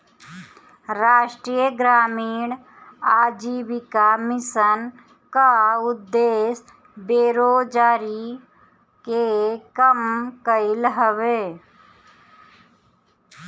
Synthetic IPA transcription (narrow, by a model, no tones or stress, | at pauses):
ɾaːʃʈɾiːjəɡɾaːmiːɳ | aːd͡ʒiːbikamɪsən | kaʊd̪ːeːs | beːɾoːd͡ʒaːɾi | kekəmkəɪlɦəʋeː